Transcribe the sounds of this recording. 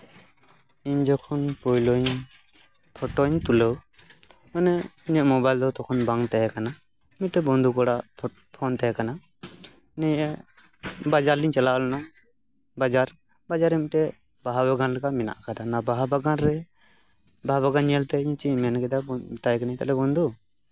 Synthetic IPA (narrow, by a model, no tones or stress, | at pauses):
iɲd͡ʒɔkʰɔnpɔjlɔɲ | pʰɔʈoɲt̪uləw | ɔnɛiɲɔʔmɔbajld̪ɔt̪ɔkʰɔnbaŋt̪ɛɦɛkana | miʈːɛbɔnd̪ʱukɔɽaʔ | pʰɔnt̪ɛɦɛkana | nɛɲɛ | bad͡ʒaɾliɲt͡ʃalaɔlna | bad͡ʒaɾ | bad͡ʒaɾɛmiʈɛ | baɦabaɡanlɛkaʔmina̰ʔkad̪anabaɦabaɡanɾɛ | baɦabaɡaniɛlt̪ɛiɲt͡ʃimɛnkɛd̪at̪ajkɛnaɲt̪ɛ̰lɛbɔnd̪ʱu